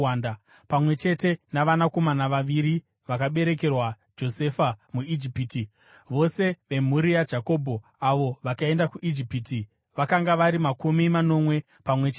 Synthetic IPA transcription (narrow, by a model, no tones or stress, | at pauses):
anda | pamwe̞t͡ʃe̞te̞naʋanako̞manaʋaʋiɾi | ʋakaɓe̞ɾe̞ke̞rwa | d͡ʒo̞se̞famuid͡ʒipiːti | ʋo̞se̞ʋe̞m̤uɾiad͡ʒako̞ːbʱo̞ | aʋo̞ʋakae̞ndakuʔid͡ʒipiti | ʋakaŋɡaʋaɾimakumimano̞mwe̞ | pamwe̞t͡ʃː